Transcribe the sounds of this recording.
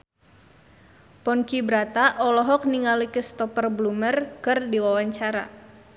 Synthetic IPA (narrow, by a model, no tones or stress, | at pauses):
pɔnkibɾat̪aʔɔlɔɦɔk̚niŋalikəst̪ɔpərblumərkərdiwawaɲt͡ʃaɾa̰